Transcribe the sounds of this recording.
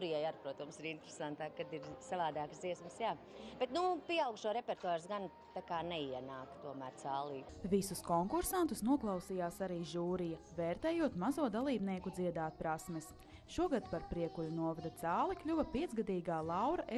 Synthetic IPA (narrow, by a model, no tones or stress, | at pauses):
ɾijajaɾpɾuɔt̪ɐmsiɾint̪ɾesant̪aːkad̪iɾsavaːd̪aːksd̪ziɛsməsjaː | b̥ɛt̪nupʲiɛawɡʃuɔɾepeɾt̪uaːɾsɡan | t̪akaːnɛiɛnaːkt̪uɔmæːɾt̪saːlˠiːvisuskɔŋkuɾsant̪usnuɔklˠɑwsijaːsaɾiːʒuːɾijɐvɛːɾt̪ɛːjuɔt̪mazuɔd̪alˠiːbniɛkud̪ziɛd̪aːt̪̚pɾasmɛs | ʃuɔɡad̪paɾpɾiɛkulʲunuɔvad̪ɐt̪saːlˠiklʲuvɐpiɛt̪zɡad̪iːɡaːlˠɑwɾɐʔe